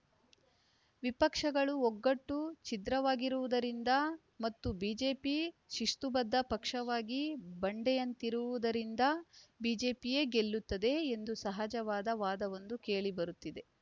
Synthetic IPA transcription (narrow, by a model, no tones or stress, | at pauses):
ʋipɐkʂɐɡɐɭuɔɡːɐʈːut͡ʃid̪ɾɐʋaːɡiɾuʋud̪ɐɾind̪ɐ | mɐt̪ːubiːd͡ʒe̞ːpiʃiʂʈ̪ubɐd̪ːɐpɐkʂɐʋaːɡibɐɳɖɛjɐnt̪iɾuʋud̪ɐɾind̪ɐbiːd͡ʒe̞ːpije̞ːɡe̞lːut̪ːɐd̪e̞ːnd̪usɐɦad͡ʒɐʋaːd̪ɐʋaːd̪ɐʋo̞nd̪uke̞ːɭibɐɾut̪ːid̪e̞